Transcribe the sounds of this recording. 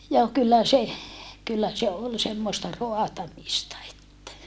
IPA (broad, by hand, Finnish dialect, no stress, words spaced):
joː kylːæ se kylːæ se ol semːostɑ roɑtɑmistɑ etːæ